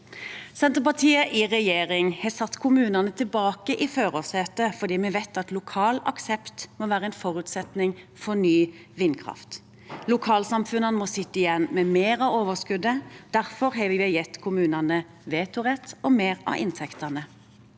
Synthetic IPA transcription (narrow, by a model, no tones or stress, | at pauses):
sɛnt̪əʁpɑt̪ʰiːəʔɪʁɛjeːʁɪŋhɑːsɑt̪ːkʰʊmʉːnɑnət̪ʰɪlbɑːkəʔɪføːʁoːsheːt̪əfɔd̪iːmɛʋɛt̪ːɑt̪lʊkʰɑːlɑ̰ksɛpt̪moːʋæːʁəɛnfɔʁʉt̪sɛt̪nɪŋfɔnyː | ʋɪnːkʰʁɑ̰ft̪ | lʊkʰɑːlsɑmfʉnənmɔsɪt̪ːəɪjɛnːmɛmeːʁɑʋoːʋəskʉd̪əd̪̥æʁfɔɾɦɑʋɪʋɛjɛt̪ːkʰʊmʉːnɑnə | ʋeːt̪ʊʁɛt̪ɔmeːʁɑ̰ʔɪ̰nt̪ʰɛkt̪ɑnə